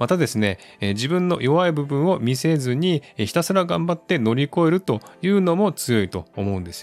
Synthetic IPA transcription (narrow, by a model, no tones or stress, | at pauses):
mat̪ad̪e̞sɨne̞ | ed͡ʑibɯ̟̃nːo̞̰jo̞βaibɯ̟bɯ̟̃ɰ̃o̞mʲise̞zɨɲ̟içi̥t̪asɨɾaɡãmbat̪ːe̞no̞ɾʲiko̞e̞ɾɯ̟t̪o̞jɯ̟ːno̞mo̞t͡sɨjo̞it̪o̞̰ːmo̞ɯ̃nd̪e̞sɨ̥